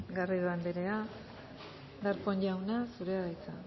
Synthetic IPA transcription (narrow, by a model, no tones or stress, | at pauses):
ɡariðoand̪eɾe̞a | d̪aɾko̞ɲʝawnasuɾeaɣajt͡sa̰